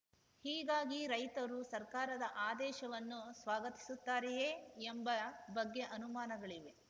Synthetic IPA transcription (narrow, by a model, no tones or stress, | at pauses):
hiːɡaːɡiɾɐjt̪ɐɾusɐɾkaːɾɐd̪ɐʔaːd̪ɛːʃɐʋɐnːusʋaːɡɐt̪i̥sut̪ːaːɾɛjeembɐbɐɡːeʔɐnumaːnɐɡɐɭiʋe̞